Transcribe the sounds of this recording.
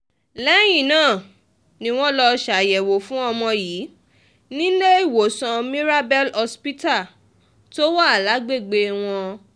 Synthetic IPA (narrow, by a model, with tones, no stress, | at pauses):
lɛ˦j̃ĩ˦˨nãː˦˨ | nĩ˨˦w̃ɔ̃˦lɔ˧ʃa˨jɛ˨wo˨fũ˦ɔ˧mɔ̃˧jiː˨˦ | nĩ˦le˦i˦˨wo˨sã˧mĩ˦ɾa˦bɛ˦lɔ˧spi˦ta˦˨ | to˦wa˦a˨la˨˦ɡ͡be˦˨ɡ͡be˧w̃ɔ̃˧